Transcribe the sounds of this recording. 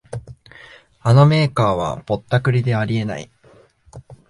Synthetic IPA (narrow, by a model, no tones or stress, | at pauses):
ano̞me̞ːkaːβ̞a̰po̞t̪ːakɯ̟ɾʲid̪e̞aɾʲie̞na̰ḭ